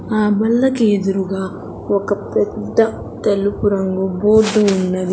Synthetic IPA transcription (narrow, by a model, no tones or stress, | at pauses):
aːbɐlːɐkied̪uɾuɡaː | okɐpɛd̪ːɐ | t̪elːupuɾɐŋɡuboːɖuːnːɐd̪i